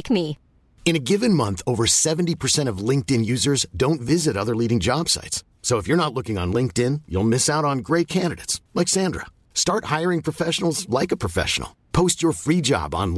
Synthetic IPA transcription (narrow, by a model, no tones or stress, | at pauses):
kmi | ɨ̃ñɨɡɪvɨ̃nmʌ̃nθoʊvə˞sɛvn̩tipʰə˞sɛ̃ɾ̃ʌvlɪ̃ŋk̚tɨ̃njʉzə˞zdõʊ̃ntvɪzɨɾʌðə˞liɾɪ̃ŋd͡ʒɑb̥sa̰ɪtsːoʊəfjə˞ñətˡlʊkɪ̃ŋə̰̃nlɪ̃ŋk̚tɪ̃njṵlˠmɪsaʊɾn̩ɡɹeɪt̚kʰæ̃ndɨɾeɪtslɛkz̥æ̃ndɹə̰ | stɑɹt̚haɪə˞ɪ̃ŋpʰɹ̥ɨfɛʃn̩l̩ˠzlaɪkəpʰɹ̥əfɛ̰ʃə̰n̩̰l̩ˠpʰoʊst͡ʃə˞fɹid͡ʒɑ̰bn̩